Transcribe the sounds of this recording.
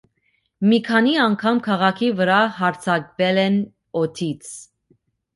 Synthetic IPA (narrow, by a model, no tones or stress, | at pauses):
mikʰɑniɑŋkʰɑmkʰɑʁɑkʰivəɾɑɦɑɾt͡sʰɑkvɛlɛn | ɔt̪ʰit͡sʰ